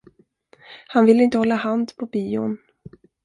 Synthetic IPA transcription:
hanvɪlːəɪnt̪əhɔlːahand̪pʰɔbiːʊ̰n

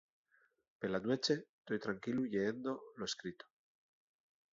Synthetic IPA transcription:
pelanwet͡ʃet̪ojt̪ɾaŋkiluʎeend̪oloeskɾit̪o̥

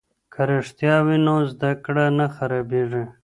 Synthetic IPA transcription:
kʰaɾeʂt̪jɑwinozd̪akɽanaxaɾabeʐe

